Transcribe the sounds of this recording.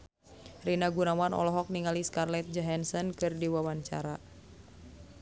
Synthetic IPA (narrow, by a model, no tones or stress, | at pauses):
rinaɡunawanɔ̰lɔɦɔk̚niŋaliskarlɛt̪̚d͡ʒɔɦansɔnkɨrdiwawaɲt͡ʃa̰ɾa